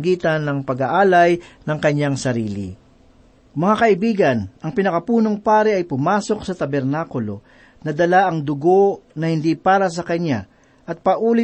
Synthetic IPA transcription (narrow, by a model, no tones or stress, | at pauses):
ɡiːt̪ɐnːɐŋpɐɡaʔaːlɐjnɐŋkɐɲaŋsɐɾiːlɪ̰ | mɐŋakɐʔɪbiːɡɐnʔɐŋpɪnɐkɐpuːno̞ŋpaːɾɛʔɐjpʊmaːso̞k̚sɐt̪ɐbɛɾnaːkʊlo̞ | nɐd̪ɐlaʔɐŋd̪ʊɡo̞nɐhɪnd̪ipaːɾɐs̬ɐkɐɲa | ʔɐt̪̚pɐʔuːlɪ